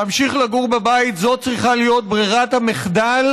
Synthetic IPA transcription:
amʃiχlaɡuʁbabait̪zo̞t̪̚t͡sʁiχalijo̞t̪̚bʁiʁat̪hameχd̪al

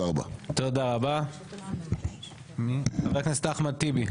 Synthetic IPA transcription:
aaba̰t̪od̪aʁaba | mabeknist̪aχmat̪ibi

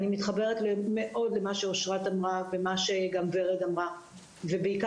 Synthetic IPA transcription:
nimit̪χabe̞ʁetlemeʔo̞dlemaʃeoʃʁatamʁavemaʃeɡamveʁedamʁa | vebeika

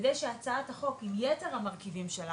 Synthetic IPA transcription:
dejʃeat͡saathaχo̞kimjeteʁhamaʁkivimʃela

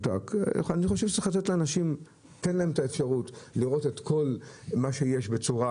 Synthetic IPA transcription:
ta̰kaniχo̞ʃevʃezexlat̪et̪leanaʃim | tenlaemetaefʃaʁutliʁo̞te̞t̪kʰo̞lmaʃejeʃbe̞t͡suʁa

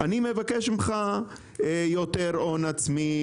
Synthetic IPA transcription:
animevakeʃimχa | joteʁonat͡smi

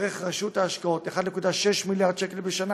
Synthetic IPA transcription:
ʁeχʁeʃutaːʃkao̞t̪eχad̪ne̞kud̪aʃeʃmiljaʁd̪ʃekelbeʃana

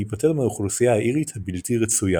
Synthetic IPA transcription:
ipatelmeuχlusijaaʔiʁit̪habiltiʁet͡suja

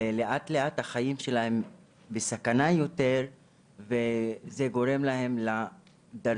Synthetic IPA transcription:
eleʔat̪le̞ʔat̪haχajimʃelahem | besakanajo̞t̪e̞ʁ | veze̞ɡo̞ʁe̞mlaɦe̞mla | d̪a

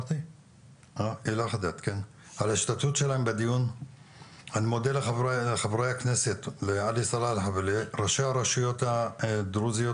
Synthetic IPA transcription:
t̪i | ailaχad̪at̪ken | alaiʃt̪at̪ut̪ʃelaembed̪ijun | animod̪elealeχavɾejakneset̪lealisalalħavleʁaʃejaɾaʃijot̪ad̪ɾuzijo

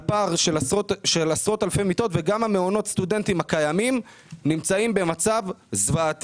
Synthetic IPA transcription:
paʁʃotʃelasʁo̞t̪alfejmit̪o̞t̪veɡamhameo̞no̞t̪st̪ud̪e̞nt̪imakajamim | nimt͡saimbe̞mat͡savzvaːt̪

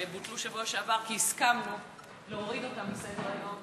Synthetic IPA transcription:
ebut̪luʃevoʃeavaʁkiiskamo | leoʁido̞tambesedeʁajo̞m

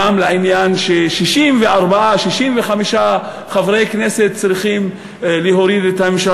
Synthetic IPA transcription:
amleʕinjanʃeʃiʃimveaʁbaaʃiʃimveχamiʃa | χavʁejkneset̪̚t͡sʁiχim | liɦoɾid̪et̪amemʃa

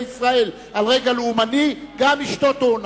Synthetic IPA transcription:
isʁae̞l | alʁe̞ɡaleumaniɡamiʃt̪o̞t̪on

